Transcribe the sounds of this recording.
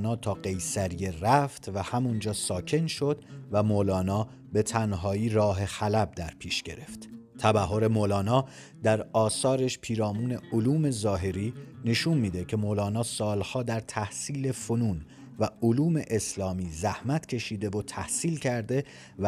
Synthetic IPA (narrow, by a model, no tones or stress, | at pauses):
nɒːt̪ʰɒːɢe̞jsæɾijeræft̪ʰvæhæmund͡ʒɒːsɒːcʰe̞nʃo̞d̪væmolɒːnɒː | be̞t̪ʰænɦɒːiːɾɒːɦe̞xælæb̚d̪æɾpʰiːʃɟ̥e̞ɾe̞ft̪t̪ʰæbæɦːo̞ɾe̞molɒːnɒː | d̪æɾɒːsɒːɾeʃpʰiːɾɒːmuːne̞oluːme̞zɒːɦe̞ɾiːne̞ʃunmiːd̪e̞cʰe̞molɒːnɒːsɒːlhɒːd̪æɾt̪ʰæhsiːle̞fonuːn | væoluːme̞ʔeslɒːmiːzæhmæt̪ʰcʰe̞ʃiːd̪e̞vot̪ʰæhsiːlcʰæɾd̪e̞ | v